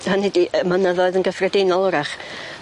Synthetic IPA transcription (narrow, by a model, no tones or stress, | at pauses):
hanɛdiʔəmənəðɔɨðənɡəfrɛdɪnɔlˠɔɾaχ